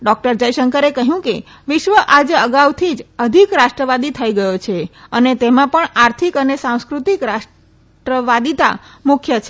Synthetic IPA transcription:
ɖɔk̚ʈəɾd͡ʒəjʃəŋkəɾekəɦjũke | ʋɪʃʋəʔad͡ʒəɡawt̪ʰid͡ʒəd̪ʱikɾaʃʈɾəʋad̪it̪ʰəiɡəjot͡ʃʰeənet̪emãpəɳaɾt̪ʰikənesãw̃skɾut̪ikɾaʃ | ʈɾəʋad̪it̪a̰mukʰjət͡ʃʰe

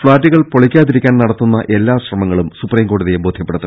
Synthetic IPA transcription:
fɭaːtːiɣɐɭpoɭikʲːaːðiɾikʲːaːnnɐɽɐt̪ːunːɐʔe̞lːaːɕrɐmɐŋːɐɭumsupriːmko̞ːɽuðijebo̞ːd̪ʱjɐpːe̞ɽut̪ːu

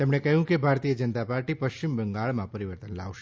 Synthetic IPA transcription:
t̪emɳekəjũkebʱaɾt̪ijəd͡ʒənət̪apaɾʈipəʃt͡ʃimbəŋɡaɭmãpəɾiʋəɾt̪ənla̰ʋʃe

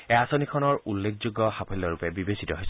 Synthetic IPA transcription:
ɛasonikʰɔnɔɹulːekʰzuɡːɔhapʰɔlɔɹupɛbibesitɔɦojs

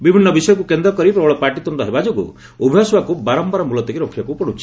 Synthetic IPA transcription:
bibʱinːɔbisɔjɔk̬ukend̪ɾɔkɔɾipɾɔbɔɭɔpaɾʈit̪ɔɳɖɔɦebad͡ʒɔɡṵ | ubʱijasɔbakubaɾɔmpaɾɔmulɔt̪ɔkiɾɔkʰibakupɔɽ̃ut͡ʃʰi̥

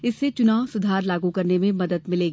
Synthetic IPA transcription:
ɪsːet͡ʃʊnaːʋsʊd̪ʱaːɾlaːɡukɐɾnemẽmɐd̪əd̪mɪleːɡ

